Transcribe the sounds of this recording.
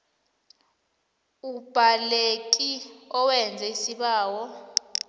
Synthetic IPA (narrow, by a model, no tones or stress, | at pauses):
ub̥ʱalek̬ʼiɔwɛnd͡zʱɛisiɓaːwɔ